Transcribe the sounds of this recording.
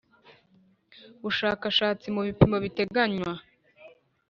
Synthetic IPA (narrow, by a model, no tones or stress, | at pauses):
βuʃaːkaʃaːt͡simuβipimo̞βite̞ɡaɲwa